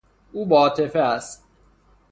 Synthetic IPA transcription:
uːbɒːt̪ʰefeæst̪̚

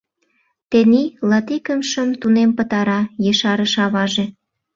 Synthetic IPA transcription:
t̪enilɑt̪ikəmʃəmt̪unempət̪ɑɾɑjəʃɑɾəʃɑβɑʒe

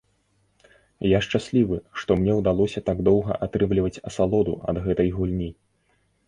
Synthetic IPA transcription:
jaʂt͡ʂasʲlʲivɨʂt̪ɔmnʲɛwd̪alˠɔsʲɐt̪aɡd̪ɔwɣɐ̰ʔat̪ɾɨmlʲivɐt͡sʲɐsalˠɔd̪ṵʔɐ̰d̪ɣɛt̪ɐjɣulʲnʲi

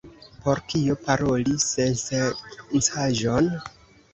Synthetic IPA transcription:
po̞ɾkiopaɾo̞lisensensaʒon

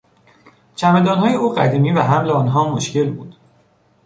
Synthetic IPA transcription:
t͡ʃʰæmed̪ɒːnɦɒːjeuːɢæ̰d̪iːmiːvæɦæmleɒːnɦɒːmoʃce̞lbuːd̪̥

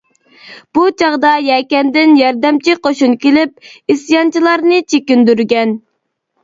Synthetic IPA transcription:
b̥ut͡ʃʰɑʁd̪ɑjɛkʲɛnd̪ɪnjɑɾd̪ɛmt͡ʃʰiqʰoʃunkʲelɪp̚isjɑnt͡ʃʰilˠɑɾnɨt͡ʃʰekʲynd̪yɾɡʲɛn

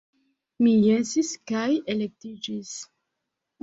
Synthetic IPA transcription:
mijensiskajelek̚tid͡ʒis

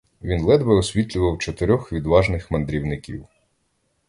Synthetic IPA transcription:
ʋʲinlˠɛd̪bɐɔsʲʋʲit̪ʲlʲʊʋɐwt͡ʃɔt̪ɪɾʲɔxʋʲid̪ʋɑʒnɪxmɐnd̪ɾʲiwnɪkʲḭw

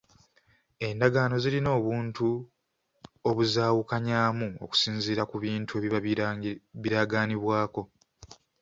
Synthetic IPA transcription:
e̞ndaɡaːno̞zilino̞ːβuːntu | oβuzaːwukaɲaːmuo̰ku̥siːnziːɾakuβiːntʰue̞ːβi | βiɾaɡaːniβwaːko̞

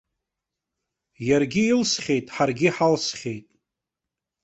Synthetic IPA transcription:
jarɡʲɪilsχʲe̞jtʼħarɡʲɪħalsχʲejtʼ

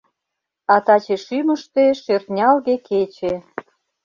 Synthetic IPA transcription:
ɑt̪ɑt͡ɕeʃyməʃt̪eʃørt̪nʲɑlɣeket͡ɕe

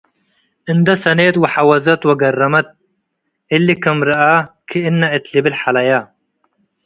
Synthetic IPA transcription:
ɨnd̪ɐsɐneːt̪wɐħawɐzɐt̪wɐɡɐrːɐmɐt̪̚ | ɪlːikɐmɾɐʔakʰiɪnːɐʔɪt̪libɪlħalɐja

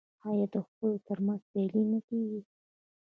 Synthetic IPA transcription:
ɑjɑd̪əxpəlot̪əɾmanzt̪elinəkeɡi

